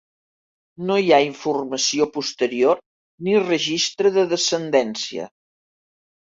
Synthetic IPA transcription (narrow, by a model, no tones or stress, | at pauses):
nojaiɱfurməsiopust̪əɾior | nirəʒist̪ɾəðəðəsənd̪ɛnsiə̰